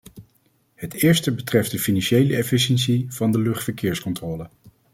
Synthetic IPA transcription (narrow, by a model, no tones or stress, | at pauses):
hətɪːɹstəbətrɛft̚dəfinɑnʃejləɛfɪʃənsiv̥ɑndəlɵχtfəɹkɪːɹskɔntrɔːlə